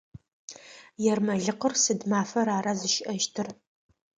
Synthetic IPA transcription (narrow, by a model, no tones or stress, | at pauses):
jɛrmɐɮɨqərsɨdmaːfɐɾaːɾazɨʃɪʔɐʃtʰɨr